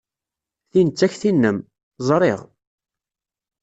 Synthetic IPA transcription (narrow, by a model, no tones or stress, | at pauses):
θinət͡sːæçθinːəm | zˤɾˤḛʁ